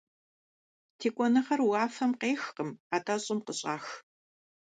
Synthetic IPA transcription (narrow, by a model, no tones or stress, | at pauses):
tʰeːkʷʼɔnɐχɐrwaːfɐmqeːxqəmaːtʰaɕʼɪmqəɕʼa̰ːx